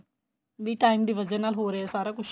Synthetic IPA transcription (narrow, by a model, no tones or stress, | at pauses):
d̪iːʈaːɪmd̪iːʋəd͡ʒɛːnaːlɦoːɾeɛːsaːɾaːkʊʃ